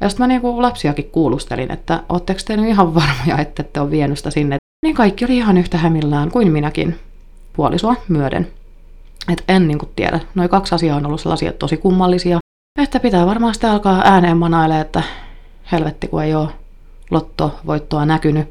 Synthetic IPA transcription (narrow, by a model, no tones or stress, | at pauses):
jɑsi̥t̪mæniːŋkulɑpsiɑkikkuːlust̪ḛlḭnʔḛt̪ːæʔo̰ːt̪t̪ːekst̪ehnyiɦɑʋʋɑrmojɑ̰et̪ːet̪ːeoːʋʋiɛnysi̥t̪æsinːe | niːŋkɑikːioliihɑnyht̪æhæmilːæːŋkuinminækḭn | puolʔisuɑmyødḛn | et̪enniːŋkut̪tiḛɾʔæ̰noikɑksɑsiɑonolːussḛlːɑ̰siɑ̰t̪osikumːɑlːisiɑ | et̪ːæpit̪æːʋɑrmɑːsit̪eɑlkɑːʔæːneːmːɑnɑileet̪ːæ | helʋet̪ːikueijoː | lʔot̪ːoʋo̰it̪ːoɑnækyny